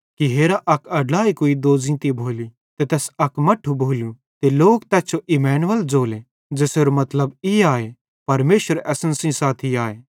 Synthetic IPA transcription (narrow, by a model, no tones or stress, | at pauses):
kiɦeːɾaʔɐkʰɐɖlaːikoːid̪oːzĩːt̪ibʱoːli | t̪et̪ɛːsɐkmɐʈʰːubʱoːlju | t̪eloːk̚t̪ɛːt͡ʃʰoʔimɛːnʋɐld͡ʒoːle | d͡ʒeːseːɾomɐt̪ləbiaːe | pɐɾmeːʃʋəɾɛːsə̃nsĩsaːt̪ʰiaːeː